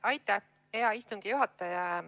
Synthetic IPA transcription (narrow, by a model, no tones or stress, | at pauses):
ɑjt̪ːˑæh | eɑist̪uŋɡ̥ijuɦɑt̪ːˑɑjɑ